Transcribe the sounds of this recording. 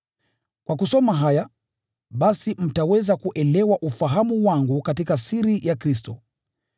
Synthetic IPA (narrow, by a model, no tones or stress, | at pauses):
kwakusɔmaɦaja | ɓasim̩tawɛzakuʔɛlɛwaʔufaɦamuwaŋɡukatikasiɾijʔakɾistɔ